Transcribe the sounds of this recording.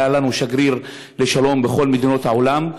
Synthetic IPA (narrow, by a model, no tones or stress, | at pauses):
alanuʃaɡʁiʁ | le̞ʃalo̞mbeχo̞lmed̪ino̞t̪haʕolam